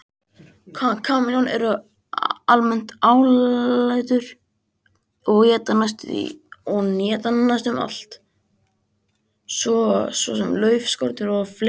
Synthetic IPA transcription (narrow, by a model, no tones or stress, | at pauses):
kʰakʰaːmɪnɔnɛ̰ɾʏ | almɛn̥t̪aːwlajðʏɾ̥ | ɔɣɛːt̪anːast̪ʏḭɔɣnjɛːt̪anːast̪ʏma̰l̥t̪ | svɔsvɔ̰sɛmlœːɥfskɔɾt̪ɪɾɔfl